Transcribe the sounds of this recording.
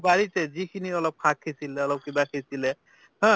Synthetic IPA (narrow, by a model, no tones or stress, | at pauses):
baɹitɛzikʰiniɔlɔp̚kʰakʰːisilɛɔlɔp̚kibakʰesilɛ | hɔ̃